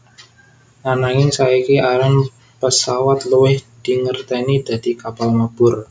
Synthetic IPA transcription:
ʔanaŋɪnsaikiʔaɾan | pəsawat̪luwɪhd̪̥i̤ŋərt̪ɛnid̪̥ä̤d̪̥i̤kapalmab̥ʊr

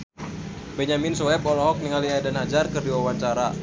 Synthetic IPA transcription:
bɛɲaminsɔɛbɔlɔɦɔk̚niŋaliadanhad͡ʒarkɨrdiwawaɲt͡ʃaɾa

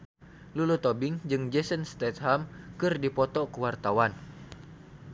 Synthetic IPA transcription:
lulut̪ɔbɪŋd͡ʒɨŋd͡ʒɛsənst̪ɛt̪ɦamkɨrdipɔt̪ɔkəwart̪awan

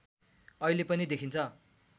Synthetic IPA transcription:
ʌilepʌnid̪ekʰint͡sʰʌ

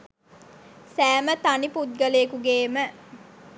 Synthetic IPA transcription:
sæːmət̪aniput̪̚ɡəlekuɡeːmə

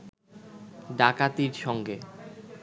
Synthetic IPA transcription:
ɖakat̪iɾʃɔŋɡe

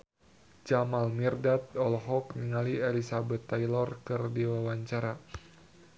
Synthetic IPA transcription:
d͡ʒamalmirdat̪̚ɔlɦɔkniŋalielisabɛt̪ːajlɔrkɨrdiwawaɲt͡ʃaɾa

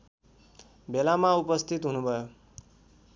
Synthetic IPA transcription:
belamaupʌst̪ʰit̪ɦunubʱʌjo

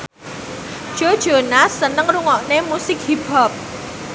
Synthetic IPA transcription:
d̥ʒ̥o̤d̥ʒ̥o̤nasənəŋruŋɔʔnemusɪk̚hipɔp̚

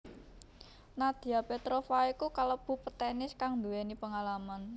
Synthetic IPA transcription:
nad̪̥i̤apet̪ɾofaikukaləb̥ṳpət̪ɛnɪskaŋnd̪uwɛnipəŋalaman

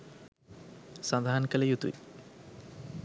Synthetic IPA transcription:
sãnd̪aɦankəlejut̪ṵji

